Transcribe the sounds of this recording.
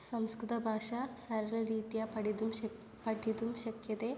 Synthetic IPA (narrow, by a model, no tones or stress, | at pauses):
sɐmskɾut̪ɐbʱaːʂɐsɐɾɐlɐɾiːt̪ijɐpɐɽid̪um | pɐʈːid̪umʃɐkjɐd̪e